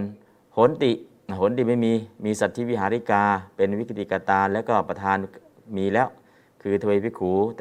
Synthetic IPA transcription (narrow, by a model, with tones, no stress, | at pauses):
n | ho˨˦nt̪i˨ | ho˨˦nd̪i˨˩ma˥˩˨jmiː˧miː˧sa˨˩t̪ʰːi˧˥˨wi˦˥˨ɦaː˨˦ɾi˦˧˥kaː˧pe˧nwi˦˥kʰt̪ʰi˨ka˧t̪aː˧nlɛː˦˧˥kɔː˧˩pa˧t̪ʰaː˧n | miː˧lɛː˦˥˩w | kʰɯː˧t̪ʰa˧e˧pʰi˦˥˩kʰuː˩˦t̪